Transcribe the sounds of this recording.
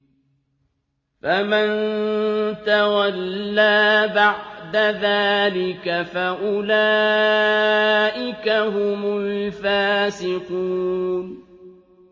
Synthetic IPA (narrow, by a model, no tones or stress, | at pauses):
faman | t̪awalːaːbaʕd̪aðaːlɪkafaʔʊlaː | ʔɪkaɦʊmʊlfaːsɪquːn